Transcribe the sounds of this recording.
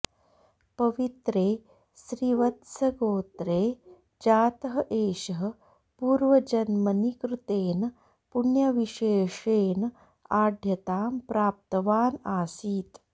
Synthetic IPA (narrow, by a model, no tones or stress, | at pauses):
pɐʋit̪ɾeː | sɾiʋɐt̪sɐɡoːt̪ɾeː | d͡ʒaːt̪ɐɦɐʔeːɕəɦə | puːɾʋɐd͡ʒɐnmɐnikɾut̪eːn | puɳjɐʋiʃeːʂeːn | aːd̪ʱjɐt̪aːmpɾaːp̚t̪ɐʋaːnaːsiːt̪